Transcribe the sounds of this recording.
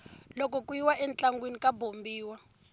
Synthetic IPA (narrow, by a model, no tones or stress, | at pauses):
lɔkɔkujiwaʔɛnt͡ɬaŋɡwenikabombiːwa